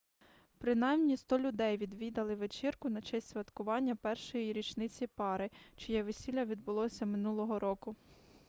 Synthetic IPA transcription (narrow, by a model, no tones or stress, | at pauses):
pɾɪnɑjmnʲist̪ɔlʲʊd̪ɛjʋʲid̪ʋʲid̪ɐlˠɪʋet͡ʃɪrkʊnɐt͡ʃɛsʲt̪ʲsʲʋʲɐt̪kʊʋɑnʲːɐpɛrʃɔjiɾʲit͡ʃnɪt͡sʲipɑɾɪt͡ʃɔjɛʋesʲilʲɐʋʲid̪̚bʊlˠɔsʲɐmɪnulˠɔɦɔɾɔkʊ